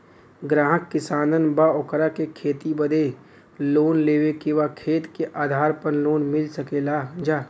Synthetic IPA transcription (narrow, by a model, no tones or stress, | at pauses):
ɡɾaːɦəkːɪsaːnənbaoːkɾakekʰeːt̪ibɐd̪ʱe | loːnleːʋekiʋakʰeːt̪keʔaːd̪ʱaːɾpɐɾloːnmɪlsɐkelaːd͡ʒaː